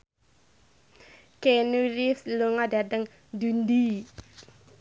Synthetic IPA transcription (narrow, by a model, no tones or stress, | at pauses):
kenuɾisluŋadat̪əŋ | d̪und̪i